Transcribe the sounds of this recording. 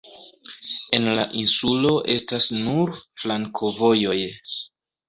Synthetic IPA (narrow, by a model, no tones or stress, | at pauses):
e̞nlaʔinsulo̞ʔe̞stasnuɾflaŋkʰo̞vo̞jo̞j